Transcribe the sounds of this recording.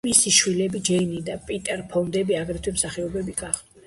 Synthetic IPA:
misiʃwilɛbid͡ʒɛinid̪apʼit̪ʼɛɾpʰɔnd̪ɛbiaɡɾɛt̪ʰwɛmsaχɛɔbɛbiɡaχd̪ɛ

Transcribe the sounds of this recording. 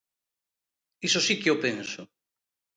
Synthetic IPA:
isosikeopensʊ

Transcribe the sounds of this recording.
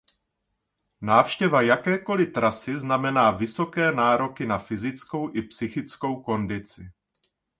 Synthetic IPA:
naːfʃcɛvajakɛːko̞lɪt̪ɾasɪznamɛnaːvɪso̞kɛːnaːɾo̞kɪnafɪzɪt͡sko̞wʔɪpsɪxɪt͡sko̞wko̞ndɪt͡sɪ

